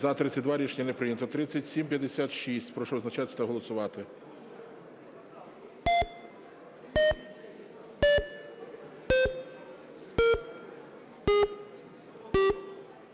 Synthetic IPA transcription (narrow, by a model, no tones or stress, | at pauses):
zɐt̪ɾɪt̪ʲːɐt̚ʲd̪ʋɑɾʲit͡ʃnʲinepɾɪnʲɐt̪ɔt̪ɾɪt͡sʲsʲːɐtʲsʲimpjɐd̪esʲat̪ʃisʲtʲpɾɔʃɔɔznɐt͡ʃɑt̪sʲt̪ɐɦɔlˠɔsʊʋɑt̪ɪ